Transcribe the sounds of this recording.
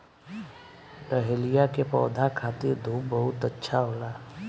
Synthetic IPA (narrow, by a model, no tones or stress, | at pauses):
ɾəɦelijakepɔ̰ːd̪ʱakʰaːt̪ɪɾd̪ʱuːpbəɦʊt̪ətːʃʰaɦoːlaː